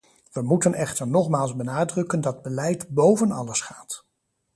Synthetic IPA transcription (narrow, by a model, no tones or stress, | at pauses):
ʋəmutənɛχtəɹnɔχmaːlˠzbənaːdrɵkəndɑd̚bəlɛjtbowvənɑləsχaːt